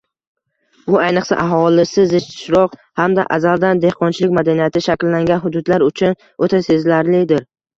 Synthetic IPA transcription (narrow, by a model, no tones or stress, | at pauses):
ʊajnɨqsa̰ʔaɦɒlɪsɪzɪt͡ʃt̪ʰɪ̥ʃɾɒqhamd̪a̰ʔa̰zald̪and̪e̞hqʰɒnt͡ʃʰɪlɪkʲmad̪anijat̪ʰɪʃakʲlːaŋɡʲanɦʊd̪ʊd̪laɾʊt͡ʃʰʊn | ot̪ʰase̞zlaɾlɪd̪ɪɾ